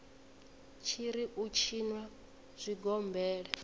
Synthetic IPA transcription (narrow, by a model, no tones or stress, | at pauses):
t͡ʃʰiɾiʔut͡ʃʰinwa | z̥ʷiɡɔmbɛːɺɛ